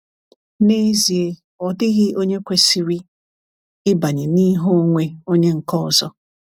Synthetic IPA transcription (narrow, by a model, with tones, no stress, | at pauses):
ne˦zi˨e˨ | ɔ˨dɪ˦ɣɪ˦o˦ɲe˦kʷe˦si˨ɾi˦ | ɪ˦ba˨ɲɪ˨ni˦ɦo˦ŋʷe˦o˦ɲe˦ŋ̩˨kɔ˦˨zɔ˦